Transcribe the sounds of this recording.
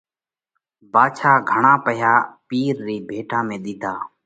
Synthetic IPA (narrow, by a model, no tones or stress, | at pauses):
baːt͡ʃʰaːɡʱəɳãːpəɦjaːpiːɾɾiːbʱeːʈãːmẽːɗ̪ɪːd̪ʱaː